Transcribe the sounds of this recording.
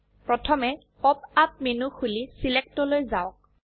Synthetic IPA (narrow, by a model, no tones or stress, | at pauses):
pɹɔtʰɔmɛ | ɔp̚ap̚menuxulisilɛk̚tɔlojzaʊk̚